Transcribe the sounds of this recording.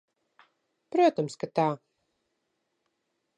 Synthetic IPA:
pɾuɔt̪ɔmskat̪aː

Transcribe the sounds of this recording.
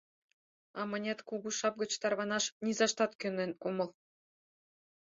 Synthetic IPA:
ɑmɤ̆nʲet̪kuɡuʃɑp̚ɡɤ̆t͡ɕt̪ɑrβɑnɑʃnʲizɑʃt̪ɑt̪kønɘ̆nomɤ̆lˠ

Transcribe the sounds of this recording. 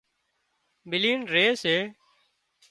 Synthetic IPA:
bɪliːnɾeːseː

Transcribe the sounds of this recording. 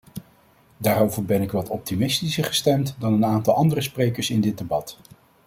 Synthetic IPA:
daːɾowvəɹbɛnɪkʋɑtʰɔp̚timɪstisəɹχə̥stɛmtdɑnənaːntɑlˠɑndərəsprejkəɹsɪndɪd̚debɑt

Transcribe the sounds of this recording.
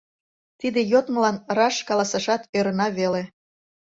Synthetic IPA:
t̪id̪ejot̪mə̆lɑnrɑʃkɑlɑsɑʃɑt̪øɾənɑβele

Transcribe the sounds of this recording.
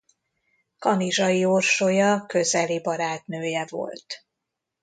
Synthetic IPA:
kɒniʒɒjiorʃojɒkø̞zɛlibɒɾaːt̪nøːjɛvo̞̰lt̪

